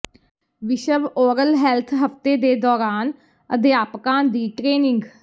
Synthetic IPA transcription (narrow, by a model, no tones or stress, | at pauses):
ʋɪʃəʋoːɾəlɦɛːlt̪ʰɦəft̪eːd̪eːd̪ɔːɾaːn | əd̪eaːpkãːd̪iːʈɾeːnɪ̃ŋɡ